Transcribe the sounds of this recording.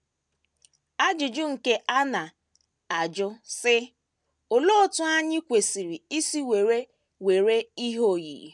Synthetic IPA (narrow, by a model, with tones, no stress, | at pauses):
a˦d͡ʒʊ˨d͡ʒʊ˦ŋ̩˨ke˦ʔa˦na˨ | a˨d͡ʒʊ˦sɪ˦ | o˨lo˦˨tʊ˦a˦ɲɪ˦kʷe˨si˨ɾi˨i˦si˦we˨ɾe˦ | we˨ɾe˦i˦ɦo˦˨jḭ˨